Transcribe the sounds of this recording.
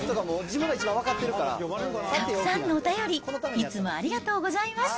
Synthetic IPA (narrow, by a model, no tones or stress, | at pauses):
t̪okamoːd͡ʑimɯɡait͡ɕibãakat̪ːeɾɯ̟kaɾa̰t̪ak̪ɯ̥sãnːo̞ːt̪ajo̞ɾʲioot̪ameit͡sɨmo̞a̰ɾʲiɡat̪o̞ːɡo̞zaimas